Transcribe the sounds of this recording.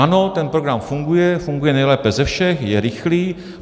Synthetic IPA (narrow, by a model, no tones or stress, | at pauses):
ano̞t̪ɛnpɾo̞ɡɾamfuŋɡujɛfuŋɡujɛnɛjlɛːpɛzɛfʃɛxjɛɾɪxliː